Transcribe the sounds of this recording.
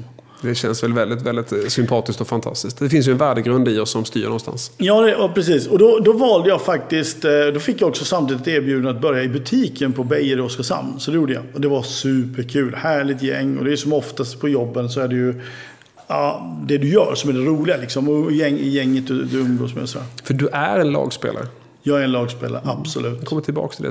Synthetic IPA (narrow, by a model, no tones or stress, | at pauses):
d̪ɛɕɛnsvɛlvɛld̪ɪt̪vɛld̪ɪt̪sʏmpʰɑːt̪ɪskt̪ɔfant̪ʰa̰st̪ɪsk̚t̪d̪ɛfɪns̬jɵɛnvæːɖəɡɾɵnd̪ɪɔsːɔmst̪y̰ːɾɳɔnst̪a̰nsjɑːd̪ɛɔpʰɾɛsiːsɔd̪ɔd̪ɔvɑːld̪əjɑfak̚t̪ɪskt̪d̪ɔfɪkːjaɔksɔsamt̪ʰiːd̪ɪt̪æːɾbjʉ̟ːd̪nat̪̚bœɾjaɪbɵt̪ʰiːkʰənpʰɔbɛjəɾɔskasa̰mnsɔd̪ɛjuːɖəja̰ɔd̪ɛvasʉ̟ːpəɾkʰʉ̟ːlhæːɭɪt̪jɛŋːɔ̰d̪ɛjsɔmɔft̪ast̪pʰɔjɔbːənsɔæɖɛjɵ | ɑːd̪ɛd̪ɵjœ̰ːɾsɔmæɖɛɾuːlɪɡalɪksɔmɔjɛŋːɪjɛŋːət̪̚d̪ɵd̪ɵɵŋɡ̪o̰ːsmɛ̰sɔd̪æ̰ːɾfœɖɵʔæɾɛnlɑ̰ːɡspḛːla̰ɾə | jɑːæɾɛnlɑːɡspḛːla̰ɾə̰ʔab̥sɔlʉ̟ːt̪kʰɔmːəʈʰɪlbɑ̰ːkt̪ʰɪld̪ɛ̰